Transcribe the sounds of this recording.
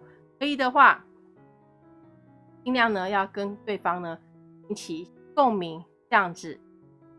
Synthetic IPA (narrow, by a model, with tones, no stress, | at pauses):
kə˧˥i˨˥d̪ə˨xwa˥˩ | i˥˧ŋljɑ˥˩ŋnə˨jɑ˥˨ʊkə˦˥nt̪we˥˨ɪfɑ˥ŋnə˨ | i˧˥ŋt͡ɕʰi˨˩ | ko˥˨ŋmi˧˦ŋ˦ | jɑ˥˧ŋd͡zɻ̩˨˩